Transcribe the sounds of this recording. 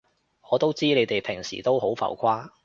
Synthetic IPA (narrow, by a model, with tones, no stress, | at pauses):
ɔː˨˧t̪o˥wt͡siː˥ne˨˧jt̪e˨jpʰɪ˨˩ŋsḭː˨˩t̪o˥wɦo˨˥wfɐ̰˨˩wkʰaː˥